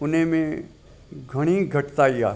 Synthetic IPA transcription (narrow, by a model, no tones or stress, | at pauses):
ʊnɦẽmẽ | ɡʱɐɽ̃iɡʱɐʈt̪aijaː